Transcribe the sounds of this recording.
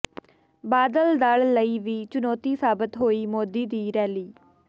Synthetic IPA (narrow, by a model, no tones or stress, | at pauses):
baːd̪əld̪aɭːəiːʋiːt͡ʃʊnɔːt̪iːsaːbɪt̪ɦoːiːmoːd̪iːd̪iːɾɛːliː